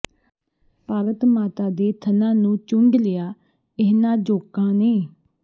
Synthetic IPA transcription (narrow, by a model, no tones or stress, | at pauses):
paːɾət̪maːt̪aːd̪eːt̪ʰənãːnũːt͡ʃʊŋɡlɪjaː | ɪɦnãːd͡ʒoːkãːneː